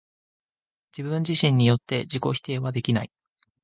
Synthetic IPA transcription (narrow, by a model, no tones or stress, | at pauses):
d͡ʑibɯ̃ɲ̟d͡ʑiɕĩɲ̟ːijo̞t̪ːe̞d͡ʑiko̞çi̥t̪e̞ːβad̪e̞kʲinai